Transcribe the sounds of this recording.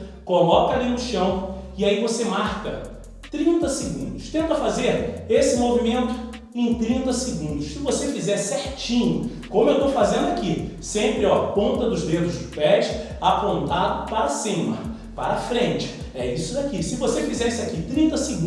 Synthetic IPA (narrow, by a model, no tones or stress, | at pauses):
kolɔkɐlĩnʊʃɐ̃w̃ɪaivosemaɾkɐ | t̪ɾĩnt̪ɐsɪɡũd̪ʊʃt̪ẽnt̪ɐfazeɾesɪmovimẽnt̪ʊ | ẽj̃t̪ɾĩnt̪ɐsɪɡũnd̪ʊʃsɪvosefizɛɾsɛɾt͡ʃĩɲʊ | kõmʊewt̪owfazẽnd̪ʊaki | sẽmpɾɪɔpõnt̪ɐd̪ʊzd̪ed̪ʊzd͡ʒɪpɛʃ | apõnt̪ad̪ʊpaɾɐsĩmɐ̰ | paɾɐfɾẽnt͡ʃɪ̥ | ɛisʊd̪akisɪvosefizɛsɪakit̪ɾĩnt̪ɐsɪɡũ